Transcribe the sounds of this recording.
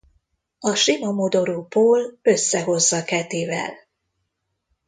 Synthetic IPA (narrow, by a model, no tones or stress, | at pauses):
ɒʃinomod̪o̞ɾoːpoːlø̞sːɛɦo̞zːɒkɛt̪iːvɛ̰l